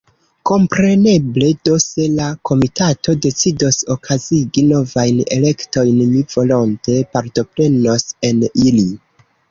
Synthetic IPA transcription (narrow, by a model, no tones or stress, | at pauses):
ko̞mpɾe̞ne̞ble̞do̞se̞lakʰo̞mitato̞de̞t͡sidoso̞kʰaziɡino̞vajne̞̰le̞kto̞jnmivo̞lonte̞paɾto̞pɾe̞no̞se̞nili